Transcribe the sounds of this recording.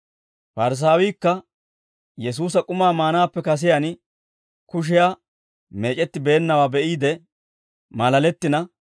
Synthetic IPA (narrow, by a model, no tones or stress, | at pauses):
fɐɾɪs̬aːwiːkːɐ | jɛs̬uːs̬ɐkʼʊmaːmaːnaːpːɛkɐs̬ɪjan | kʊʃ̬ɪjaː | me̞ːt͡ʃʼɛt̪ːɪbe̞ːnːɐwaːbɛʔiːd̪ɛ | mɐlɐlɛt̪ːɪnɐ